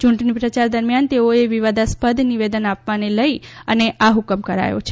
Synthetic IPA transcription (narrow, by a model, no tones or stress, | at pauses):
t͡ʃuɳʈnipɾət͡ʃaɾd̪əɾmijant̪eoeʋiʋad̪aspəd̪ʱniʋed̪ənapʋaneləiəneʔʔaɦukəmkəɾa̰jo̰t͡ʃʰe̥